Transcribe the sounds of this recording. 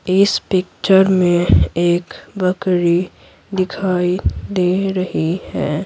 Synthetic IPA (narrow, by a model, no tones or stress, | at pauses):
ɪspɪkt͡ʃəɾmẽeːkbəkɾi | d̪ɪkʰaːid̪eɾɐɦihɛː